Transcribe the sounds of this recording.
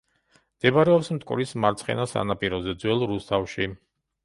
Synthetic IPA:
md̪̥ɛbaɾɛɔpsmt̪ʼkʼṵɾismaɾt̪sʰχɛ̰nasa̰napʼiɾɔzɛd̪zwɛlˠɾust̪ʰafʃi

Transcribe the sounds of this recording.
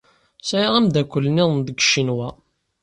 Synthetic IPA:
sæjaʁæmd̪ækʷːəlːniðˤnd̪əɡə̥ʃːinwæ

